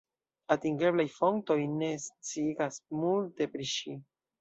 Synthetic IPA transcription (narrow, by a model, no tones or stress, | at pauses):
atiŋɡe̞blajfo̞ŋk̚to̞jne̞st͡siɡasmulte̞pɾiʃi